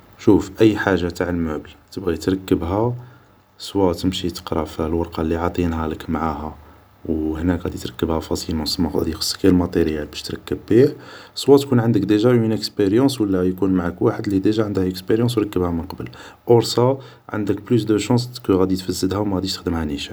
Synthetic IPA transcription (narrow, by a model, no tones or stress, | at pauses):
ʃufʔəjːħaʒːat̪aʕəlmaʕbəlt̪əbɣit̪ɾˤɑkːəbɦæ | sˤwɑt̪əmʃit̪ə̥qɾˤɑfilwɑɾˤqɑlːiʕɑt̪ˤinhæləkmaʕahæ | whnækɣæd̪it̪ɾˤɑkːəbhæfɑsˤilmɑsmɑæ̰d̪ixə̥sˤːkælmɑt̪ˤeɾjːabæʃt̪ɾˤɑkːəbːiħsˤwɑt̪kunʕənd̪əkd̪əʒæwminəkspeɾjɑ̃swəlːæjkunmaʕakwaħəd̪lid̪əʒæʕənd̪əhəkspeɾjɑ̃s̬wɾˤɑkːəbhæmənqɑbəlʔoɾsɑ | ʕə̰nd̪əkblysd̪əʃɑ̃skəɣæd̪it̪fæzːəd̪hæwmæɣæd̪iʃt̪ə̥xd̪əmhæniʃæ